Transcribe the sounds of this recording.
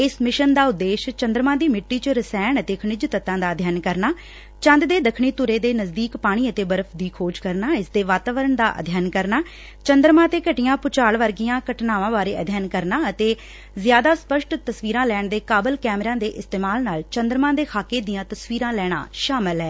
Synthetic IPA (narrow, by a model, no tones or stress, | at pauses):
ɪsmɪʃənd̪aːʊd̪ːeːʃt͡ʃənd̪ɾəmãːd̪iːmɪʈːiːt͡ʃəɾɪsɛːɳət̪eːkʰəɳɪd͡ʒt̪ət̪ːãːd̪aːd̪ʱjaːnkəɾnaː | t͡ʃə̃nd̪d̪eːd̪əkʰɳiːt̪ʊɾeːd̪eːnəzd̪iːkpaːɽ̃iːət̪eːbəɾəpʰd̪iːkʰoːd͡ʒkəɾnaːɪsd̪eːʋaːt̪aːʋəɾəɳd̪aːʔə̰d̪ʱjaːnkəɾnaː | t͡ʃənd̪ɾmãːt̪eːkəʈɪjãːpʊt͡ʃaːɭʋəɾɡɪjãːkəʈnaːʋãːbaːɾeːə̰d̪ʱjaːnkəɾnaːət̪eː | zɪjaːd̪aːspəʃʈt̪əsʋiːɾãːlɛːɳd̪eːkaːbəlkɛːmɾãːd̪eːʔɪst̪eːmaːlnaːlt͡ʃənd̪ɾəmãːd̪eːkʰaːkeːd̪ɪijãːt̪əsʋiːɾãːlɛːɽ̃a̰ːʃaːmɪlɦɛː